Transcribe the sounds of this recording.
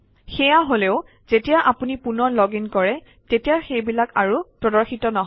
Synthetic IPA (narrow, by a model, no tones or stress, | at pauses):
xɛjaɦoleʊ | z̥etijaʔapunipunɔɹlɔɡinkɔɹɛ | tetijaxejbilakaɹupɹɔdɔɹxitɔnɔɦ